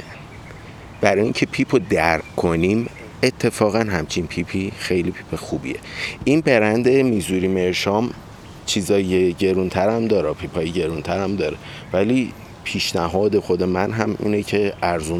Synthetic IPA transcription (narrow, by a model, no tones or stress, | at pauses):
b̥æɾɒːjiŋcʰe̞pʰiːpʰod̪æɾkʰoniːm | et̪ʰːe̞fɒːɣænɦæmt͡ʃʰinpʰiːpʰiːxe̞jliːpʰi̥ːpʰexuːbḭḛʔinbe̞ɾænd̪e̞miːzuːɾiːme̞ɾʃɒːm | t͡ʃʰiːzɒːeɟe̞ɾunt̪ʰæɾæmd̪ɒːɾɒpʰiːpʰɒːjeɟe̞ɾunt̪ʰæɾæmd̪ɒːɾe | væliː | pʰiːʃnæɦɒːd̪e̞xo̞d̪e̞mænɦæmḭːnecʰe̞æɾzun